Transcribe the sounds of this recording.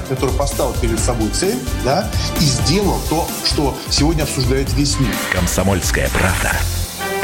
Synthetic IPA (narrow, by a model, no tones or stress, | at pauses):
kɐt̪o̞ɾɨjpɐst̪avʲɪlˠpʲɪɾʲɪd̪sɐbo̞jt̪sɛlʲd̪aizʲdʲe̞lˠəlˠt̪o̞ | ʂt̪o̞ | sʲɪvo̞dʲnʲəɐpsʊʐd̪ajɪt̪səvʲesʲmʲirkəmsɐmolʲskəjə̰pɾavd̪ə̰